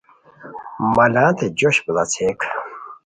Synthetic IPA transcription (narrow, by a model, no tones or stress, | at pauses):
mɐlãːt̪ed͡ʑoɕbəlat͡sʰek